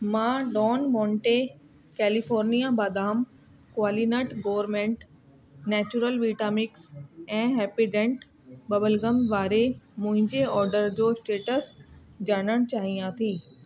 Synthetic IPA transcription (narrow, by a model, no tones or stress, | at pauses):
mãːɖɔːnmɔːɳʈe | kɛːlifɔːɾnijabaːd̪aːm | kʊaːlinəʈɡoːʋəɾmẽːɳʈ | nɛːt͡ɕuɾəlʋiːʈaːmɪksɛ̃ːɦɛːpiɖẽːɳʈ | bɐbəlɡəmʋaːɾemʊ̃ɦɪ̃ɲd͡ʑeɔːɾɖəɾd͡ʑoːsʈeːʈəs | d͡ʑaːɽ̃əɽ̃t͡ɕaːɦiãːt̪ʰiː